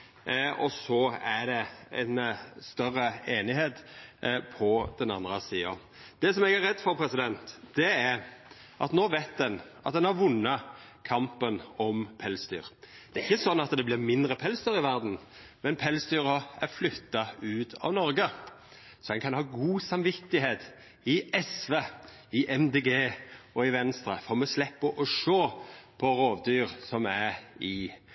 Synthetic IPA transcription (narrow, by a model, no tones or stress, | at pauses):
ɔsɔæɖ̪ɛɛ̰nst̪œrəeːnɪheːt̪pʰɔd̪̥ɛnɑ̰nd̪ɾəsiːɑ̰n | d̪̥ɛsɔmɛɡæɾɛd̪ːfɔɾpʰɾɛsɪd̪ɛnt̪d̪̥ɛæɾ | ʔɑt̪noːʋæɪt̪̚d̪ɛn | ɑt̪̚d̪ɛnhɑɾʋʊnːɑ | kʰɑmpənɔmpʰɛlsd̪y̰ːɾ | d̪̥ɛːɾɪçːəsɔnːɑt̪d̪ɛblɪmɪnd̪ɾəpʰɛlsd̪yːɾɪʋæɾd̪n̩ | mɛnpʰɛlsd̪yːɾəæɾflʏt̪ːɑʉːt̪ʰɑ̰ʋnɔɾɡə | sɔɛnkʰɑnhɑːɡuːsɑmʋɪt̪ːɪɦeːt̪ | ɪɛsʋe | ɪʔɛmd̪eːɡeːɔɪʋɛnst̪ɾəfɔɾmɛslɛpːəʔɔʂoːpʰɔɾoːʋd̪yːɾsɔmæɾɪ